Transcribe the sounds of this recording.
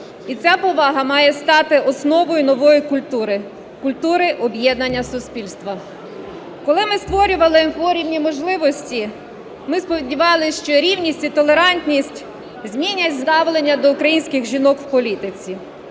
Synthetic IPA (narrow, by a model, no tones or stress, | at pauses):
it͡sʲapɔʋɑɦɐmɑjɛst̪ɑt̪ɪʔɔsnɔʋɔjʊnɔʋɔjikʊlʲt̪uɾɪ | kʊlʲt̪uɾɪʔɔbjɛd̪nɐnʲːɐsʊsʲpʲilʲst̪ʋɐ | kɔlˠɪmɪst̪ʋɔɾʲʊʋɐlˠɪpɔɾʲiwnʲimɔʒlˠɪʋɔsʲtʲi | mɪspɔʋʲidʲiʋɑlˠɪʃt͡ʃɔɾʲiwnʲisʲtʲit̪ɔlˠeɾɑnʲtʲnʲisʲtʲ | zʲmʲinʲɐtʲzd̪ɑʋlˠenʲːɐd̪ɔʊkɾɐjinʲsʲkɪɣʒʲinɔkw̥pɔlʲit̪ɪt͡sʲi